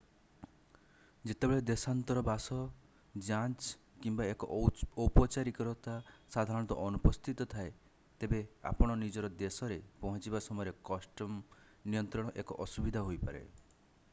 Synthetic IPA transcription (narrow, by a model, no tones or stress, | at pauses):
d͡ʒet̪ebeɭed̪esant̪ɔɾɔbasɔ | d͡ʒant͡ʃ | kimbaekɔɔpɔt͡ʃaɾikɔɾɔt̪asad̪ʱaɾɔɽ̃ɔt̪ɔ̰ʔɔnupɔst̪ʰit̪ɔt̪ʰae | t̪ebea̰pɔɽ̃ɔnid͡ʒɔɾɔd̪esɔɾepɔɦɔ̃t͡ʃibasɔmɔjɔɾekɔsʈɔm | nijɔnt̪ɾɔɽ̃ɔʔekɔʔɔsubid̪ʱaɦojpaɾḛ